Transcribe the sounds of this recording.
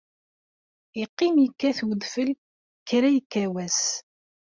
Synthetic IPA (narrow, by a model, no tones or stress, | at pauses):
iqːimjəkːæθwəðfəl | çɾæjəkːæwæs